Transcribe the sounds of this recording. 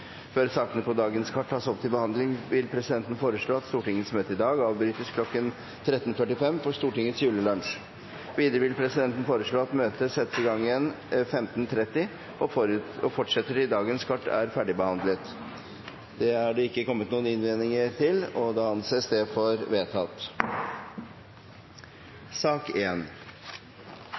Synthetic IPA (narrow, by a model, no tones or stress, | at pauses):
føːɾsɑːkənəpʰɔd̪ɑːɡənskʰɑʈ̚ʰːɑːsɔpt̪ʰɪlbəhɑnd̪lɪŋʋɪlpʰɾɛsɪd̪ɛnt̪n̩foːɾəʂɭoːɑt̪st̪uːʈɪŋːət̪smøːt̪əɪd̪ɑːɡɑːʋbɾyːt̪əskʰlɔkːən | t̪ʰɾɛt̪ːənfœʈɪfɛmːfɔʂt̪uːʈɪŋːət̪sjʉːləlɑnʂ | ʋiːd̪əɾəʋɪlpʰɾɛsɪd̪ɛnt̪n̩foːɾəʂɭoːɑt̪møːt̪əsɛt̪ːəsɪɡɑŋːən | fɛmt̪n̩t̪ʰɾɛt̪ːɪ | ɔɔfɔʈʂɛt̪ːəɾɪd̪ɑːɡənskʰɑʈːæ̰ɾfæɖɪbəhɑnd̪lət̪ | d̪̥ɛhɑɖɛɪkːəkɔmːət̪nuːənɪnʋeːnɪŋəɾt̪ʰɪlɔd̪ɑːɑnseːsd̪ɛfɔɾʋeːt̪ʰɑt̪ | sɑːkeːn